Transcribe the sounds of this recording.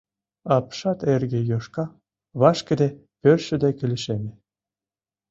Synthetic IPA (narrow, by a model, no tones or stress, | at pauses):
ɑpʃɑt̪erɣĕjoʃkɑ | βɑʃkə̆d̪epørʃɘ̆d̪ekĕlʲɘ̆ʃemʲĕ